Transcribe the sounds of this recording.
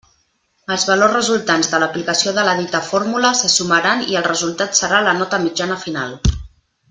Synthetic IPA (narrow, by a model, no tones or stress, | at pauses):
əlˠzβəlorrəzulˠt̪anzðələplikəsioðələðit̪əfoɾmuləsəsuməɾaniəlˠrəzulˠt̪at̪səɾalənɔt̪əmid͡ʒanəfinalˠ